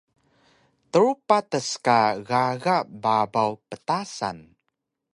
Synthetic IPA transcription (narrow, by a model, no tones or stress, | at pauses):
təɹupatəskaɣaɣaʔbabawpətasa̰n